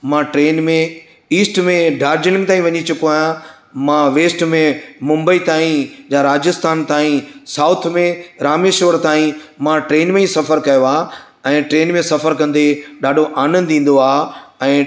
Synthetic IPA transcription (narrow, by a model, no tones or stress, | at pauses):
mãʈɾeːnmẽ | iːsʈmẽɖʱaːɾd͡ʑɪlɪ̃ŋɡ̚t̪aːĩʋɐɲit͡ɕʊkoaːjã | mãʋeːsʈmẽmʊ̃mbəit̪aːĩd͡ʑaːɾaːd͡ʑɪst̪ʰaːnt̪aːĩsaːʊt̪ʰmẽɾaːmeːʃʋəɾt̪aːĩmãʈɾeːnmẽĩsɐfəɾkɐjoaː | ɛ̃ːʈɾeːnmẽsɐfəɾkɐ̃nd̪eɗaːɖʱoʔaːnə̃nd̪ĩːn̆d̪oaːɛ̃ː